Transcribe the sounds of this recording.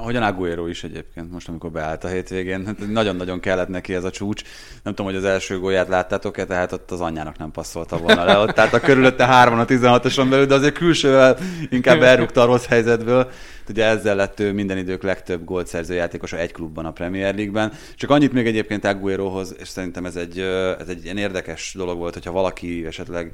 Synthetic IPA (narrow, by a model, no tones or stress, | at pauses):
ɒɦo̞ɟɒnaɡueɾoːiʃɛɟḛːpkeːnt̪mo̞ʃt̪ɒmiko̞rbɛa̰ːlt̪ɒɦeːt̪ʋeːɡeːnat̪nɒɟo̞nːɒɟo̞ŋkɛlːɛt̪nɛkiɛzɒt͡ʃuːt͡ʃ | nɛmt̪omhoɟɒzɛlʃøːɡoːjaːt̪laːt̪ːaːt̪o̞kɛt̪d̪ɛɦat̪o̞t̪ːɒzɒɲːaːnɒ̰knɛmpɒsːo̞lt̪ɒʋolnɒlɛot̪ːɛat̪ɒkøɾyløt̪ːɛɦaːrvɒnɒt̪izɛnɦɒt̪oʃombɛlyld̪ɛɒzeːɾkylʃøːvɛliŋkaːbːɛlrːukt̪ɒːɾo̞shɛjzɛd̪bøːl | t̪uɟɛɛzːɛlːɛt̪ːøːmind̪ɛnid̪øːklɛkt̪øbːɡoːlt̪sɛrzøːjaːt̪eːko̞ʃɒɛcklubːɒnɒprɛmijɛrliɡ̚bɛn | t͡ʃɒkɒɲːit̪meːɡɛɟeːp̚keːnt̪ɛɡueɾoːɦo̞zḛːʃsɛɾint̪ɛmɛzɛɟːøɛ̰zɛɟːiɛneːrd̪ɛkɛʃd̪o̞lo̞ɡʋo̞lt̪ho̞cʰhɒvɒlɒkiɛʃɛt̪lɛɡ